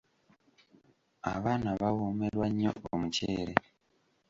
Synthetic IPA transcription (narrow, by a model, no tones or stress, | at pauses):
a̰βaːnaβawomelwaɲːo̰ʔo̰muceːɾe